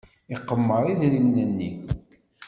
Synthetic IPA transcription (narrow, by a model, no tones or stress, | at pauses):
iqːəmːəɾˤiðlimnænːi